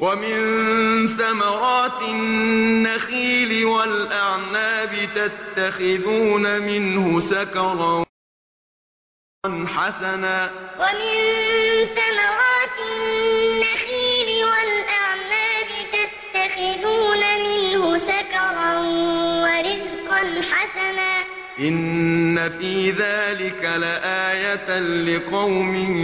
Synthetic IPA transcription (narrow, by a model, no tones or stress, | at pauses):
wamɪnθamɑɾˤɑːt̪ɪː | axiːlɪwalʔaʕnaːbɪt̪at̪ːaxɪðuːnamɪnhʊʃakɑɾˤɑ | nħasanaːwamɪnθamɑɾɑːt̪ɪnːaxiːlɪwalʔaʕmaːbɪt̪at̪ːaxɪðuːnamɪnhʊsakɑɾˤɑwaɾɪzqɑnħasanaː | ʔɪnːafiːðaːlɪkalaʔaːjat̪lɪqɑwmɪ